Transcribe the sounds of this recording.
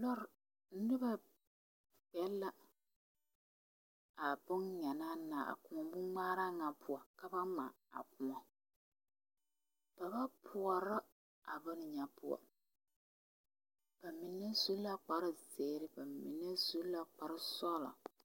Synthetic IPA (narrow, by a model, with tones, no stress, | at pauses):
lɔ˦ɾ | n̩˦nɪ˦ba˦ | k͡pɛ˦lːa˦ | a˨bʊ˦nɲa˨na˦naː˨a̰˨kʊ˨mɔ˨bʊ˦ŋ͡maː˦ɾa˦ŋa˨pʰʊ˨a˨ka˦ba˦ma̰˨ | a̰˨k̚ʊ˨mɔ˨ | b̥a˨ba˦pʰʊ˨a˨ɾa˦ | a˨bɨ˦n˨ɲa˨pʊ̰˦a̰˨ | b̥a˨mi˨nːɛ˦zu˦la˦k͡pa˨ɾɪ˦zeː˨ɾɪ˦ba˨mḭ˨nɛ˦zu˦la˦k͡pa˨ɾɪ˦sɔ˦la̰˨